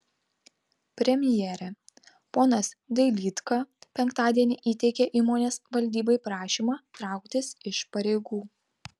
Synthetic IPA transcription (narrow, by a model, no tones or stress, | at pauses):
pʲɾʲɛmʲɪjɛːɾʲɛ | poːnɐsd̪ʲɛɪlʲiːt̪kɐpʲɛŋkt̪ɑːd̪ʲiɛnʲɪʔiːt̪ʲɛɪkʲeʔiːmoːnʲeːsʋɐlʲd̪ʲiːboɪpɾɑːʃʲiːmɑːt̪ɾɑˑʊkt̪ʲɪsɪʃpɐɾʲeɪɡuː